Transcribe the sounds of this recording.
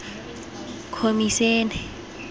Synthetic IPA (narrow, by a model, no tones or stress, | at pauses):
kʰomisen